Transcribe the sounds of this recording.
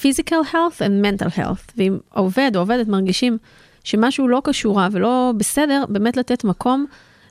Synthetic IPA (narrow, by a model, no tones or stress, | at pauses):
fizikalhelθemːentalhḛlθveimove̞doove̞detmaʁɡiʃim | ʃe̞maʃulo̞kaʃuʁavelo̞bese̞de̞ʁbe̞ːmetlatetmakʰo̞m